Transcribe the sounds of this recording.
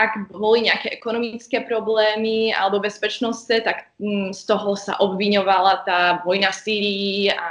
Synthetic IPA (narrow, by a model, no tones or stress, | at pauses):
ʔaɡbɔliɲɛakɛʔɛkɔnɔmit͡skɛːpɾɔblɛːmia̰lɛbɔbɛspɛt͡ʃnɔst͡sɛt̪ak | st̪ɔɦɔsa̰ʔɔbʋiɲɔʋalat̪aːʋɔjnafsiːɾiia